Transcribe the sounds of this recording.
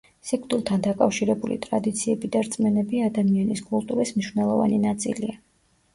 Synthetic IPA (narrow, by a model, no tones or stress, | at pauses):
sikʰt̪ʼulˠt̪ʰand̪akʼafʃiɾɛbulḭt̪ʼɾad̪it̪sʰiɛbid̪aɾt̪sʼmɛnɛbiad̪amianiskʼulˠt̪ʼuɾismniʃvnɛlˠɔva̰ninat̪sʼḭlia